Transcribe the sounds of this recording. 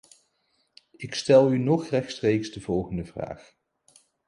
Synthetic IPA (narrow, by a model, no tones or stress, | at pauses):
ɪkstɛlˠynɔχrɛχstrejksdəvɔlˠχəndəvra̰ːχ